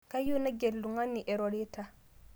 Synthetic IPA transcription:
ka˦jo˦na˦ɡe˨lːu˨ŋa˦nːi˨ʔɛ˨ɾɔ˨ɾe˦ta˦

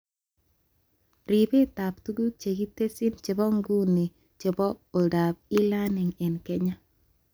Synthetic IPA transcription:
ɾi˨be˦ta˨ptu˦ɡu˦k̚t͡ʃe˨ɡi˦te˦sɪ˦nt͡ʃe˨bɔ˦ŋɡu˦ne˨ | t͡ʃe˨bɔ˦o˨da˨p̚ɪ˦la˦nɪ˨ŋɛ˨nkɛ˦ɲa˦

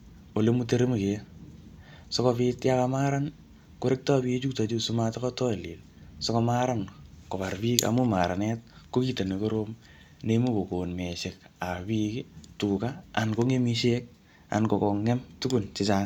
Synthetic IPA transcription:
o˨le˦mu˦te˦ɾe˦m˨ke˨ | so˦kopitja˦kama˦ɾan | ko˦ɾɪ˦k̚tɔ˦bi˦t͡ʃu˦k̚ta˨t͡ʃu˦suma˦ta˦kɔ˦tɔ˦˨li˨l | so˦kɔ˧ma˦ɾa˦nko˨pa˨rpi˦ka̰˨mu˦maɾa˨nɛt̚ko˦ki˦te˨ne˨ko˦ɾo˦m | nemu˦ko˨ko˨nme˨ʃe˨ka˨bi˦kituka˦a̰˨nko˦ŋe˦mi˦ʃek̚ | a̰˨nko˨kɔ˨ŋːe˦mtu˦ɡu˨nt͡ʃɪt͡ʃa˦ŋ

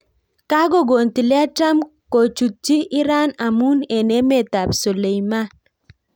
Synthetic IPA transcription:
ka˦ɡo˦˨ɡo˨nt̪i˨lɪ˦a˦ta˦mko˨t͡ʃu˨t̚t͡ʃi˦ʔɪ˦ɾa˦na˨mu˦ne˨ne˦me˨ta˨bsɔ˨le˨jma˦n

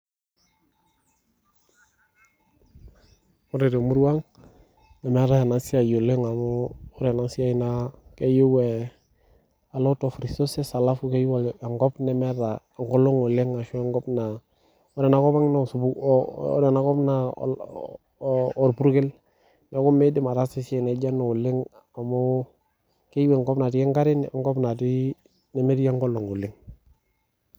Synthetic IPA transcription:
o˦ɾe˨ɾe˨mu˦ɾwa˦ŋ | nɛ˨me˦ɾa˦a˨na˨si˦a˨jo˨le˦ŋa˨moː˦ɾe˨na˦si˦a˦i˦nake˦ju˦we˨ | a˨lo˦tɔ˨fɾi˨so˦se˦sa˨la˦fu˦ke˦ju˦wŋɡɔ˦pnɛ˨me˦ɾa˨ŋɡo˦lo˦ŋo˨le˦ŋa˨ʃɔ˦ŋɡɔ˦pna˨ | ɔ˦dɛ˨na˨kɔ˦ba˦ŋno˨su˨bṵ˦de˨na˨˦kɔ˦bna̰˨ | ɾpu˦ɾke˦l | ne˨˦ko˦me˦di˦ma˨ɾa˦si˦se˦˨ne˨d͡ʒa˦no˨lɪ˦ŋ | a˨mo˦ | ke˦ji˦we˨ŋɡɔ˦bna˨di˦ke˦ŋɡa˦ɾɪ˦n˨ŋɡɔ˦bna˨ti˦ | ne˦me˦ɾi˦ja˦ŋɡo˦lo˨ŋo˨lɪ˦ŋ

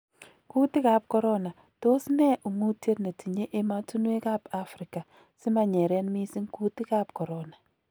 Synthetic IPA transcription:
ku˦ti˦ka˨˦p̚kɔ˦ɾɔ˦na˨ | to˦snɛ˦ʔu˨ŋu˦tje˦tne˨ti˨ɲe˦ʔe˦ma˦tu˦nwe˦ka˦pa˦fɾɪ˨ka˨ | sɪ˦ma˨ɲɛ˨ɾɛ˦nmi˦si˦ŋku˦ti˦ka˦p̚kɔ˨ɾɔ˦na˨

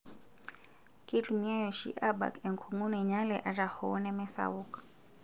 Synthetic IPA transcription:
ki˦lumi˦a˦jɔʃḭ˦ʔaba̰˨kɛ˨ŋ˨kʰuŋu˦nɛ˨ɲa˦lɛʔa˨ɾa˨hɔ˦nɛ˦mɛ˦sa̰uk

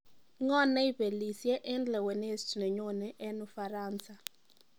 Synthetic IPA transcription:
ŋɔ˦nɛ˦i˦pe˨li˨sjɛ˦ʔɛ˦ndlɛ˨we˨ne˦stu˨nɛ˨ɲo˦nɛ˦ʔɛ˦nʊ˨fa˨ɾa˦nsa˨

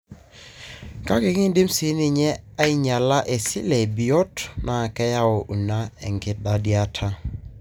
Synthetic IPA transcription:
ka˦kɪ˨kɪ˦di˦msi˨˦ni˦˨ɲɛ˦a˦i˦ɲa˨la˦ʔe˨si˦lɛ˨bi˨ɔ˦tna˨kɛ˦ja˦o˨ʔu˨na˦ɛ˨ŋɡɪ˦t̚da˦di˦a˦tʰa˦

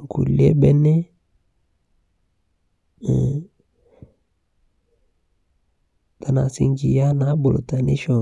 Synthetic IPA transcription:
ŋkṵ˨lḛ˦bɛ˦ne˦ | ta˨˦na˨sḭ˦ŋd͡ʒi˨ja˦na˨˦bo˨lo˨ta˨ni˦ʃɔ˨

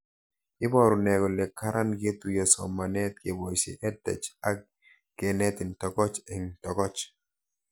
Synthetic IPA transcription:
ɪ˦bɔ˨ɾʊ˨nɛ˨ɡɔ˨lɛ˨kːa˦ɾʔa˦nɡe˦t̪u˨jɔ˨sɔ̰˨mːa˨nɛ˦t̪̚ke˨bɔ˨jsḛ˨ʔɛ˦dɛ̰˨t͡ʃa˦k | ɡ̥ɛ˨nɛ˦t̪ɪ˨ntɔ˨kɔ˦t͡ʃɛ˨ŋtɔ˨kɔ˦t͡ʃ

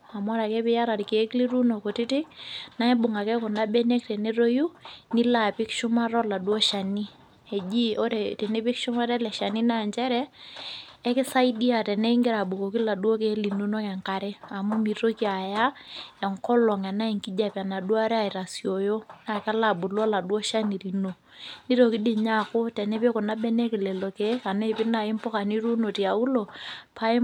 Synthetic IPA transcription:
a˨m˦a˦ɾa˨kɛ˦pɪ˦ja˦ɾa˨ɾke˨˦kli˦ɾu˦no˨ko˨tɪ˦tɪ˦k̚na˦ɪ˦bʊ˨ŋa˨kɛ˦kʊ˨na˦bɛ˦ne˦k̚tɛ˨ne˦ɾo˦ju˦nɪ˦la˨pɪ˦kʃʊ˦ma˦ɾɔ˦la˨dwo˦ʃa˨ni˦ | ɛ˨d͡ʒi˦o˦ɾe˨tɛ˨ne˦pɪ˦kʃʊ˦ma˦ɾɛ˦lɛ˨ʃa˨ni˦na˨nd͡ʒɛ˦ɾɛː˦ | kɪ˦sa˦i˦di˦a˨tɛ˨nɛ˦ŋɡɪ˦ɾa˨bu˨ko˨ki˦la˨du˦o˦ke˨˦li˨nu˦no˦kɛ˨ŋka˨ɾɛ˦a˨mu˦mi˨to˦ki˦a˨ja˦ɛ˨ŋkɔ˦lɔ˨ŋa˨na˦i˨ŋki˦d͡ʒa˨pa˨na˨dwa˦ɾɛ˦a˦˨ɪ˨ɾa˨sjo˨jo˦na˨ka˦la˨bʊ˨lɔ˦la˨dwɔ˦ʃa˦ni˨ɾi˨no˨ | ni˦ɾo˨kɪ˦dɪ˨ɲa˦kʊ˦tɛ˨nɛ˦pe˦kʊ˨na˦bɛ˦nɛ˦kɪ˨lɛ˨lo˨kɛ˦a˨ne˦˨pɪ˦na˨ɪ˦mpɔ˦ka˨ni˦ɾu˦no˨ti˨a˨u˦lo˨pa˦

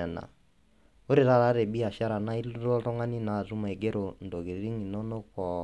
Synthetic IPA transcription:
ɛ˨na̰˨ | o˦ɾi˨ɾa˦ɾa˦ɾɛ˨ɓi˦a˨ʃa˦ɾa˨na˦i˦lɾɔ˦ɾɔ˦ŋa˦ni˦na˨zu˦ma˨i˨ɡɛ˦ɾɔ˨ndɔ˨ɣi˨ɾɾi˦ŋi˨nɔ˦nɔ˦kɔ˨

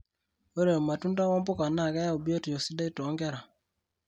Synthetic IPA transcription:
o˦ɾe˨ma˨tu˦nda˦wɔ˦mbo˦ka˨na˦˨ka˦ja˦u˨bo˦ti˨jo˨si˦da˦i˦tɔ˨˦ŋɡɛ˦ɾa˨

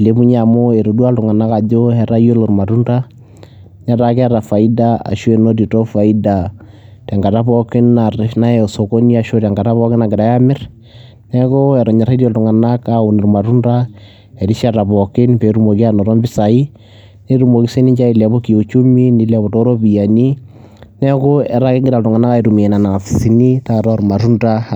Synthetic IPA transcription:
i˨le˨bu˦ɲa˨mo˦e˨ɾo˨du˦a˦ltʊ˨ŋa˨na˦ka˨d͡ʒo˦hɛ˨ɾa˦jo˦lo˨ɾma˨ɾu˦nda˦ | ɲa˦ɾa˨ka˦ɾa˨fa˨i˦da˦a̰˨ʃu˦e˨no˦di˨to˦fa˨i˦da˨ | ta˨ŋɡa˨ta˦bɔ˦kɪ˦na˨na˦ɛɔ˨so˨ko˦ni˦a˨ʃo˦ta˨ŋɡa˨ta˦bɔ˦kɪ˦na˨ɡɪ˨ɾa˨ja˦mɪ˦ɾ | nɛ˦ko˦ɛ˨ɾɔ˨ɲɛ˨ɾa˦dɔ˨ltʊ˨ŋa˨na˦kau˨ni˨ɾma˨ɾu˦nda˦ | ɛ˨di˦ʃa˦ɾa˨bɔ˨kɪ˦npe˨˦ɾu˦mo˨ki˦a˦nɔ˨ɾɔ˦mbɪ˦sa˨i˦ | ne˦ɾu˨mo˨ki˦se˦ni˦ɲd͡ʒa˦i˨lɛ˨bo˦ki˨o˨t͡ʃu˦mi˦ni˨lɛ˨bɔ˨to˦ɾo˦bi˨ja˨ni˦ | nɛ˦ko˦ɛ˨ɾa˦kɪ˦ŋɡɪ˦ɾa˨ltʊ˨ŋa˨na˦ka˦i˨ɾu˨mi˨ɛ˨na˨na˨a˨fsi˦ni˦ta˦ɾɔ˦ɾma˨ɾu˦nta˦

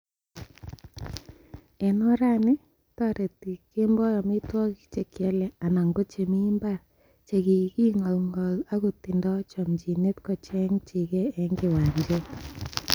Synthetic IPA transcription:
ɛ˨nɔ˦ɾa˦nɪ˦ | tɔ˦ɾe˨ti˨ke˦mbɔ˦jɔ˨mɪ˦twɔ˦ki˦t͡ʃe˨kɛ˦lɛ˨a˨na˨ŋɡo˦t͡ʃe˨mi˦mba˦ | t͡ʃe˨ki˨ki˦ŋɔ˨lŋɔ˨la˦ku˨tɪ˨ndɔ˦t͡ʃɔ˨md͡ʒi˨ne˦tkɔ˨t͡ʃɛ˦ŋt͡ʃi˨kɛː˦ŋɡɪ˨wa˨ɲd͡ʒe˦

